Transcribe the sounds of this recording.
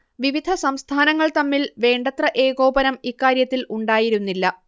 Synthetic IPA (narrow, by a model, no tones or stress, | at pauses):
ʋiʋid̪ʱɐsɐmst̪ʰaːnɐŋːɐɭt̪ɐmːilʋe̞ːɳɖɐt̪rɐʔe̞ːɡo̞ːbɐnɐmikːaːɾjɐt̪ːiluɳɖaːjiɾunːilːɐ